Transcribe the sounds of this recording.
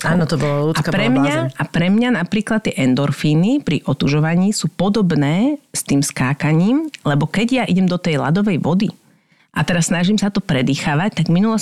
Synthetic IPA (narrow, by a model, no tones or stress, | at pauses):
aːnɔt̪ɔbɔlaluːakpɾɛmɲaapɾɛmɲanapɾiːklˠat̪̚ːɪɛʔɛnd̪ɔɾfiːnipɾiʔɔt̪uʒɔʋaɲiːsuːpɔd̪ɔbnɛːst̪iːmskaːkaɲiːmlɛbɔkɛɟjaʔiɟɛmd̪ɔt̪ɛjla̰d̪ɔʋɛjʋɔd̪i | ʔat̪ɛɾasːnaʒimsat̪ɔpɾɛd̪iːxaːʋac̚t̪aɡminulɔs